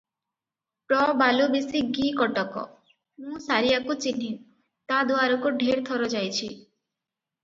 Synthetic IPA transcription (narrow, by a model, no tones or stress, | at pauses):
pɾɔbalubisiɡikɔʈɔkɔ̰ | mũsaɾijakut͡ʃin̤i | t̪ad̪uaɾɔkuɖʱeɾt̪ʰɔɾɔd͡ʒajt͡ʃʰi